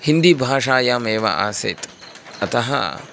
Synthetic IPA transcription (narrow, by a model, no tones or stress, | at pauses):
hind̪ibʱaːʂaːjaːmeːʋɐ̰a̰ːsɐ̰jt̪ | ɐt̪ɐɦɐ̰